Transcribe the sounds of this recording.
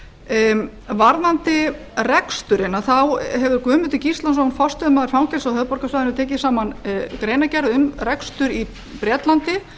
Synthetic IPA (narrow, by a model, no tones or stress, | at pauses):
vaɾðant̪ɪ | rɛkst̪ʏɾɪnaθawhɛvðʏɾkʏːmʏt̪ɪcist̪lansɔnfɔst̪ʏmaðɪɾ̥fawŋcɛlsahœðpɔɾkasvaːðɪnʏt̪ʰɛːcɪsaːmankɾeːjnacɛɾðʏmrɛkst̪ʏɾi | pɾɛːt̪lant̪ɪ